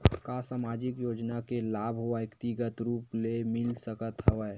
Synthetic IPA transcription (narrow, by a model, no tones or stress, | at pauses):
kasaːmaːd͡ʒɪkjoːd͡ʒnakelaːbʱoaəkt̪ɪɡət̪ɾuːplemɪlsəkət̪ɦəʋə